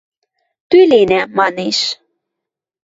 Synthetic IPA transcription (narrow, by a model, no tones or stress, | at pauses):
t̪ylenæmɑneʃ